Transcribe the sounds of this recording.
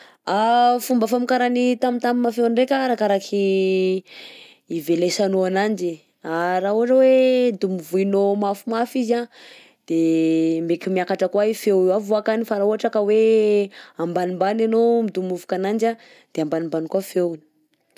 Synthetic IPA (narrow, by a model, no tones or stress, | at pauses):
afumbafamikaɾanit̪amint̪amimafewnrekʲaɾakaɾakʰi | velesanoanand͡ʒi | aɾauɦaʈ͡ʂəwed̪umivuinomafumafiza | d̪̥emekʲimiakaʈ͡ʂəkwaifewavoakanifaɾauaʈ͡ʂakəwe | ambanimbananomid̪umuvu̥kanand͡ʒa | d̪̥eambanimbanikwafewni̥